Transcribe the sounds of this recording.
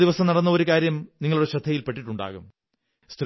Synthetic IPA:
d̪iʋɐsɐmnɐɽɐnːɐo̞ɾukaːɾjɐmniŋːɐɭuɽe̞ɕɐd̪ʰʱːɐjilpe̞ʈːiʈːuɳɖa̰ːɣum | st̪

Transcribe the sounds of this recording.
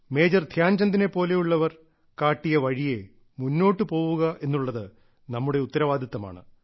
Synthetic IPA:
me̞ːd͡ʑɐrd̪ʱjaːnd͡ʑɐnd̪ine̞pːo̞ːle̞juɭːɐʋɐr | kaːʈːijɐʋɐɻije̞ | munːo̞ːʈːɨpo̞ːwuɣɐʔe̞nːuɭːɐðɨ | nɐmːuɽe̞ut̪ːɐɾɐʋaːd̪ʱɐt̪ːɐma̰ːɳɨ̰

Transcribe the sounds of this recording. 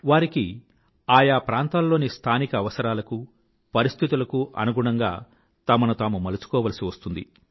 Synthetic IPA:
ʋaːɾiki | aːjaːpɾaːnt̪aːlːo̞ːnist̪ʰaːnikɐːʋɐsɐɾaːlɐku | pɐɾist̪ʰit̪̬ulɐkuʔɐ̰nuɡuɳɐŋɡa̰ː | t̪ɐmɐnut̪aːmumɐlut͡ʃu̥kɔːʋɐlɐsiʋɐst̪und̪ḭ

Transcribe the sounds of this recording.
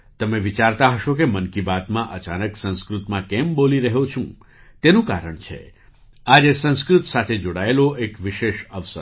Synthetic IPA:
t̪əmeʋit͡ʃaɾt̪aɦəʃok̬emənkibat̪mãʔət͡ʃanəksə̃ñskɾut̪mãkɛmboliɾəɦot͡ʃʰṵ̃ | t̪enũkaɾəɳt͡ʃʰḛ | ad͡ʒesə̃ñskɾut̪sat̪ʰed͡ʒoɽaeloʔekʋiʃeʃəʋsə̰ɾ

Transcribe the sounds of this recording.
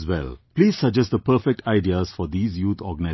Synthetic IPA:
zwɛ̰lpliːz̥sʌd͡ʒɛstd̪əpəːfɛk̚ʈʰaɪɖiəz̥fɔd̪iːzjuːt̪ʰɔ̰ːɡəna

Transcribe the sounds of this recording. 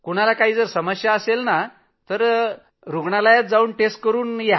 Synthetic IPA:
kuɽ̃alakaɦiːd͡zəɾsəməɕjaəselna | t̪əɾ | ɾuɡɳalajat̪̚d͡zauːnʈesʈ̚kəɾuːnje

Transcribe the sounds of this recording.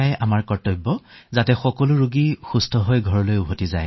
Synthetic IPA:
ajamaɹkɔɹtɔjbːɔzatɛxɔkɔlʊɹuɡixustʰɔɦojɡʱɔɹɔlojubʱotiza̰j

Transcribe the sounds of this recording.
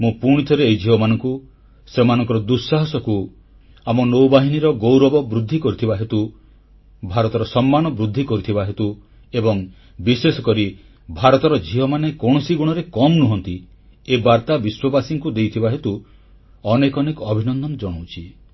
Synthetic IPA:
mũpuɽ̃it̪ʰɔɾeejd͡ʒʱiɦɔmanɔŋku | semanɔ̃ŋkɔɾɔd̪usːaɦɔsɔku | amɔnowbaɦiniɾɔɡowɾɔbɔbɾud̪ʱːikɔɾit̪ʰibaɦet̪u | bʱaɾɔt̪ɔɾɔsɔmːanɔbɾud̪ʱːikɔɾit̪ʰibaɦet̪u | ebɔŋ | bisesɔkɔɾi | bʱaɾɔt̪ɔɾɔd͡ʒʱiɦɔmanekoɽ̃ɔsiɡuɽ̃ɔɾekɔmnuɦɔnt̪i | ebaɾt̪abiswɔbasiŋkud̪ejt̪ʰibaɦet̪u | ɔnekɔnekɔːbʱinɔnd̪ɔmd͡ʒɔɽ̃owt͡ʃʰi

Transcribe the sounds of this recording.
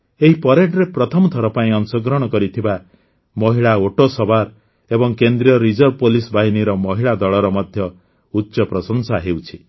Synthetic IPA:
eɦipɔɾeʈɾepɾɔt̪ʰɔmɔt̪ʰɔɾɔpaĩɔnsɔɡɾɔɽ̃ɔkɔɾit̪ʰiba | mɔɦiɭaoʈosɔbaɾ | ebɔŋkend̪ɾiɔɾid͡ʒɔɾɔpolisbʱaɦiniɾɔmɔɦiɭad̪ɔɭɔɾɔmɔd̪ʱjɔ | utːʃɔpɾɔsɔŋsaɦewt͡ʃʰi

